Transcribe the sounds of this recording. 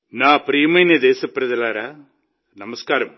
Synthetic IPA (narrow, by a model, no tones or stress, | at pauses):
naːpɾiːmɐjnɐd̪eːsɐpɾɐðɐlaːɾaː | nɐmɐskaːɾɐm